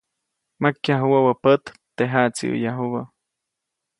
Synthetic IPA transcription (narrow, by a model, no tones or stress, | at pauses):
makːjaɦuwawəpət̪ | t̪eɦat͡sḭʔṵjaɦuβə